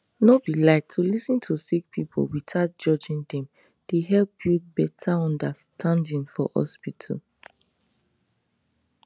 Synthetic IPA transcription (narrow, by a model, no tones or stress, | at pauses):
nob̥ilaɪk̚tʰulisĩntʰusik̚pʰipʰo̰witʰat̚d͡ʒɔd͡ʒĩndɛ̃m | d̥eɦɛlpʰjubɛtʰaɔ̃ndastʰãndĩnfɔ̰hɔ̰spitʰɔ̰